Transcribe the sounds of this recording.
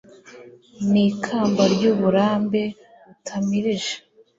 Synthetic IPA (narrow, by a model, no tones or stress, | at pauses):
niːkʰaːmbaɾɟuβuɾaːmbe̞ | βutʰamiɾiʒe̥